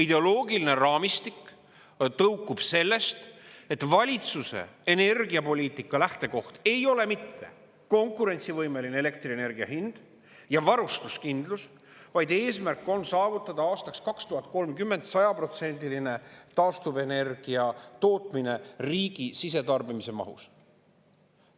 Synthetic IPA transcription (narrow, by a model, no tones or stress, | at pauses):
id̪e̞o̞loːɡiline̞rɑːmist̪ik | t̪ɤwkːˑub̥se̞lːe̞st̪e̞t̪ːˑvɑlʲit̪suse̞̰ene̞rɡiɑpo̞lʲiːt̪ˑikːˑɑlæht̪e̞ko̞ht̪e̞jo̞le̞mit̪ːe̞̰ | ko̞ŋkuɾe̞nʲt̪sivɤjme̞lineelek̚t̪riene̞rɡ̥iɑ̰ɦind̪̥ | jɑvɑɾust̪uskind̪lus | vɑjd̪e̞ːsmærkːˑo̞nsɑːvut̪ːˑɑd̪̥ɑɑːst̪ɑkskɑkst̪uhɑt̪̚ːˑko̞lmkymːe̞nt̪sɑjɑpro̞t̪se̞nʲd̪iline̞t̪ɑːst̪uve̞ne̞rɡ̥iɑt̪o̞ːt̪ˑmine̞riːɡ̥isis̬e̞t̪ɑrbimise̞mɑ̰ɦṵs